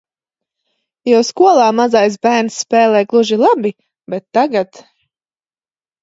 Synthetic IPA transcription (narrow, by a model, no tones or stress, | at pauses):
jawskuɔlˠaːmazajs̬bæːɾnssːpɛːlˠɛːɡlˠuʒilˠabi | bɛt̪ːaɡat̪